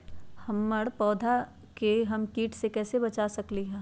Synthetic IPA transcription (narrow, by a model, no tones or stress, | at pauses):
hɐmːəɽpɔːd̪ʱa | keɦɐmkiːʈʰsekɛːsebɐt͡ʃasɐkliɦɛ̃ː